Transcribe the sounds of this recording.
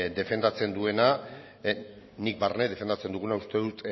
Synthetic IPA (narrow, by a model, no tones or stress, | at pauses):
d̪e̞fe̞nd̪at͡se̞nd̪ue̞na | nik̚barneðe̞fe̞nd̪at͡se̞nd̪uɣ̞unaust̪eðut̪